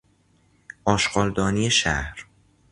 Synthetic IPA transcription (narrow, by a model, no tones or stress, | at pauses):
ʔɒːʃɢ̥ɒːld̪ɒːnijeʃæ̰hɾ